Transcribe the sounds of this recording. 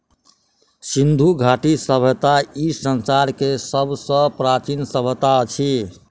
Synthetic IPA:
sind̪ʱuɡʱaʈisəbʱət̪aisənsaɾkesəbʱsə̃pɾat͡ʃinsəbət̪at͡ʃʰi

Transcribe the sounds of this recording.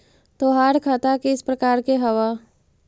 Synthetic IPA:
t̪oːɦaːɾkʰaːt̪akeɪspɾɐkaːɾkeɦɐʋa

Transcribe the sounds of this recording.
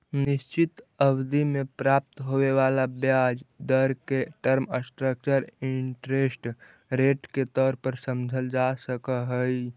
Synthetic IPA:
nɪʃt͡ʃɪt̪əwd̪imẽpɾaːp̚t̪ɦoːʋeʋaːlabjaːd͡ʒd̪əɾkeʈəɾməsʈɾək̚t͡ʃəɾɪɳʈɾeːsʈ | ɾeːʈket̪ɔːɾpəɾsəmd͡ʒʱəld͡ʒasəkaɦəi

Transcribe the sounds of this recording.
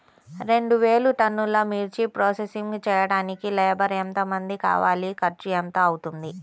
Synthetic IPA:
ɾe̞ɳɖuʋeːɭuʈɐnːulɐmiːɾt͡ʃipɾoːsesiŋɡt͡ʃɛːjɐɽaːnikilɛːbɐɾent̪ɐmɐnd̪ika̰ːʋaːlikɐɾt͡ʃijɐnt̪ɐɐwut̪und̪i

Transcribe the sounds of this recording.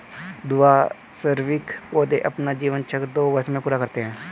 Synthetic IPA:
d̪ʊaː | səɾʋɪkoːd̪eʔɐpnad͡ʒiːʋənt͡ʃʰəkɾd̪oːʋəɾsmẽpuːɾakəɾt̪eɦɛ̃ː

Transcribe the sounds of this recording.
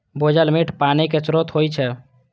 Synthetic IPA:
bʱod͡ʒəlmiʈʰpaniket͡ʃɾot̪ɦojt͡ʃʰɛ

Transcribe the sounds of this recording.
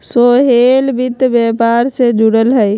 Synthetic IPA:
soɦelbɪt̪bjepaːɾsed͡ʒuɽəlɦəj

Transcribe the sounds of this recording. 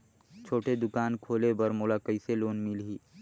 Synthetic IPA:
t͡ʃʰoːʈed̪ʊkaːnkʰoːlebɐɾmoːlakəɪseloːnmɪlɦiː

